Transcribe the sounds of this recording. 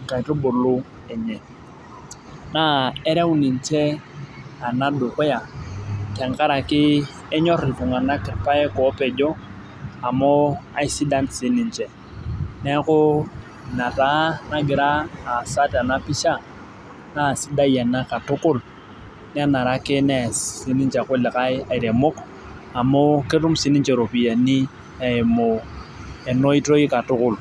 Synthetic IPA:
ŋ̩˨ka˨i˨rʊ˦bʊ˨lʊ˦ | ɛ˨ɲɛ˨ | na˦ɛ˦ɾɛ˦u˦nɪ˨n̩˨t͡ʃɛ˦ | a˨na˦dʊ˨kwɛ˦ja˨tɛ˨ŋ˨ka˦ɾa˨kɪ˦ | ɛ˦ɲɔ˦rɪ˨pʊ˨ŋa˨na˦kɪ˨rpa˦ɛ˦kɔː˨˦pɛ˨d͡ʒɔ˦ | a˨mɔ˦a̰˨ɪ˦si˦da˦nsɪ˨˦nɪ˨nt͡ʃɛ˨ | nɛ˦kʊ˦ | na˨ta˦na˦ɡɪ˨ɾaː˦˨sa˦ta˨na˦pi˦ʃa˦ | na˦˨si˦da˦ja˨na˦ka˨tʊ˦kʊ˦˨l | nɛ˦na˨ɾa˦kɛ˦nɛ˦˨si˦ni˦nt͡ʃa˨kʊ˦li˨ka˦a˨i˨ɾe˨mʊ˦k | a˨mo˦ke˦tu˦msi˨˦ni˦nt͡ʃɛ˨ɾo˨pi˨ja˨ni˦ | a˨mʊ˨ | ɛ˨no˦i˦to˦i˦ka˨tʊ˦kʊ˨l

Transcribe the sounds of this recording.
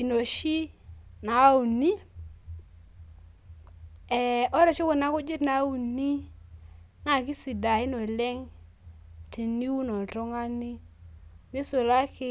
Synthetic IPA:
i˨no˨ʃi˦na˨˦u˨ni˦ | ɛ˨ɔ˦ɾɔ˨t͡ʃu˦kʊ˨na˦kʊ˦d͡ʒɪ˦tna˨˦u˨ni˦ | ŋa˦˨ki˦si˨da˨ɪ˦nɔ˨lɛ˦ŋ | te˨ni˦wu˦nɔ˨tɔ˦ŋa˦ni˦ | nɪ˦sʊ˨la˦kɪ˦

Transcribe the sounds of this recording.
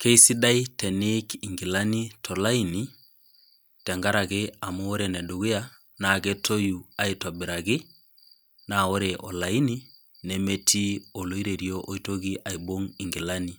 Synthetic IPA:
ke˦i˦si˦da˦jtɛ˨nɪ˦ki˨ŋɡɪ˨la˦ni˦tʰɔ˨la˦i˦ni˦ | tɛ˨ŋɡa˦ɾa˨ɣɪ˦a˨mo˦o˦ɾe˨nɛ˨du˨ɣi˦ja˦ | na˨ɡɛ˦to˦ju˨a˦i˦twa˨bɪ˨ɾa˨ɣɪ˦ | na˨o˦ɾe˨ʔɔ̰˨la˨i˦ni˦ | nɛ˨me˦tʰi˦o˨lo˨i˦ɾe˨ɾjo˦ʔo˦i˦to˦ɣi˦ʔa˨i˨bo˦ŋi˨ŋɡi˨la˦ni˦

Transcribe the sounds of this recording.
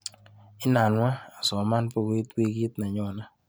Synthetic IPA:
ɪ˦na˨nwa˦a˨sɔ˨ma˦npo˦ɡi˦twi˦ɡi˦t̪na˨ɲɔ˨na˦

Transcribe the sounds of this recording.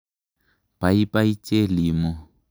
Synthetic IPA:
pʼa˨i˦pʼa˦i˦t͡ʃʼe˦liː˨mɔ˦

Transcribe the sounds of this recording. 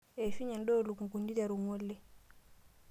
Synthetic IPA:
e˨fi˦ɲe˨ndo˦˨lu˨ku˨ku˨ndi˦da˨ɾu˨ŋo˦lːɛ˨

